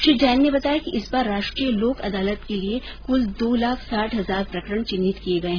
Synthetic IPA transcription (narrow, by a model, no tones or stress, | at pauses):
ʃid͡ʒɛːnːebɐt̪aːjakiʔɪsbaːɾːaːʃʈɾijəloːkɐ̰d̪aːlət̪kelie | kʊld̪oːlaːkʰsaːʈʰɦɐzaːɾpɾɐkəɾəɽ̃t͡ʃɪ̃nːɪt̪kieɡɐeɦɛ̃